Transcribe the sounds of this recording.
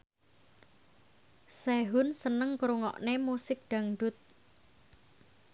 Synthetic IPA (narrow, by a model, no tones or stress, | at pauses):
sɛɦʊnsənəŋkɾuŋɔ̰ʔnemusɪk̚ɖ̪̥a̤ŋɖʊt̪̚